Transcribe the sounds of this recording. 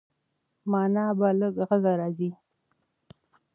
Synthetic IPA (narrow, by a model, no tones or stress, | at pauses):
mɑnɑbaləɡɣaɡaɾɑzi